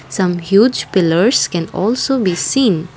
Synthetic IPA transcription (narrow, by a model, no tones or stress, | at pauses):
sʌ̃mhjuːd͡ʒpɪləɾzkɛ̃nɔːlsoːbiːsĩːn